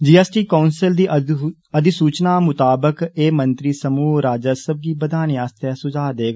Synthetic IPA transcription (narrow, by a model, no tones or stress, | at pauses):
d͡ʒiːɛːsʈiːkaːnsəld̪iː | əd̪ɪsuːt͡ʃnaːmʊt̪aːbəkeːmənt̪ɾiːsəmuːɾaːd͡ʒəsəb̚kiːbəd̪aːnjaːst̪ɛːsʊd͡ʒaːd̪eːɡa